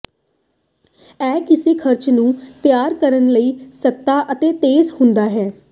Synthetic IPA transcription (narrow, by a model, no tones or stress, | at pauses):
ɛːkɪseːkʰəɾt͡ʃnũːt̪ɪjaːɾkəɾənləiːsət̪ːaːʔət̪eːt̪eːzhʊnd̪aːɦɛː